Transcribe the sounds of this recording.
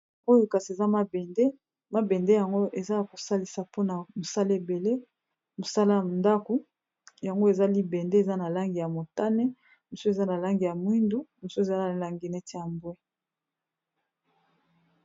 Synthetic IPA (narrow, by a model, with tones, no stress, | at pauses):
o˦jo˨ka˨si˨e˨za˦ma˦bɛ˨nde˦ | ma˦bɛ˨nde˦ja˨ŋɡo˦ʔe˨za˦a˨ko˨sa˦li˨sa˨po˦na˨mo˨sa˦le˦˨be˨le˦ | mo˨sa˦la˦ja˨nda˦ko˨ | ja˨ŋɡo˦e˨za˦li˦bɛ˨nde˦e˨za˦na˨la˦ŋɡi˨ja˨mo˨ta˦ne˦ | mo˨so˦e˨za˦na˨la˦ŋɡi˨ja˨mwi˦ndu˦mo˨so˦e˨za˦na˨la˨ŋɡi˨nɛ˦tʰe˦ja˨mbwɛ˦